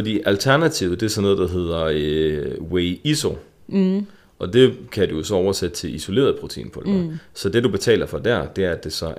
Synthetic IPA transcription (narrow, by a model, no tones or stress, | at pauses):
fɒ̽dḭːʔælt͡sʰæɐnæt͡sʰiʊð̩ˠd̥e̝ɐsɒ̽nːo̽ðˠd̥ɑ̈ɦe̝ð̞̰ˠɐøweɪiso̝ | ʔɒ̽d̥e̝kʰæd̥ujo̝sɒ̽ɒʊɐsed̥ət͡sʰe̝liso̝le̝̰ɐð̞̩ˠpʰʁo̝t͡sʰḛːnpʰɒ̽læsɒ̽d̥e̝dub̥e̝t͡sʰɛ̰ːl̰ɐfɒ̽d̥æɐ̰d̥e̝æɐæd̥e̝sɒ̽